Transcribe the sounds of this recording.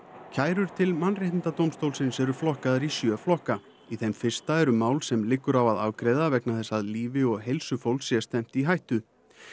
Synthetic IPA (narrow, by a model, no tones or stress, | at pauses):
cʰaːjɾʏɾ̥t̪ʰɪlmanreht̪ɪnt̪at̪owmst̪owlsɪnsɛɾʏflɔhkaðaɾisjœːflɔhka | iθemfɪr̥st̪aɛɾʏmaːwlsɛmlɪkːʏɾavaðaːwkɾɛjðavɛknaθɛsːaðliːvɪɔɣɦejlsʏfowlsjɛst̪ɛm̥t̪iɦajht̪ʏ